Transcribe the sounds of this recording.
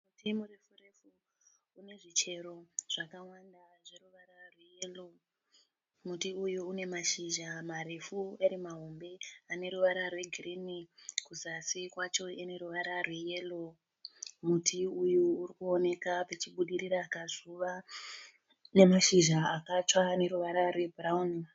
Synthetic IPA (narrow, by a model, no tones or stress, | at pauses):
mutimure̞fure̞fuː | ne̞ʐit͡ʃe̞ɾo̞ʐ̥akawandaʐe̞ruʋaɾarwe̞jelo | mutiujuːne̞maʃiʒamaɾe̞fueɾimaɦo̞mbe̞ane̞ɾuʋaɾarwe̞ɡʱirinikuzasikwat͡ʃo̞ene̞ɾuʋaɾarwe̞je̞lo̞ | mutʰiujuːɾikuo̞ne̞kapet͡ʃiɓuɗiriɾaːkazuʋa | ne̞maʃiʒaakat͡ʂane̞ɾuʋaɾarwe̞bʱrauni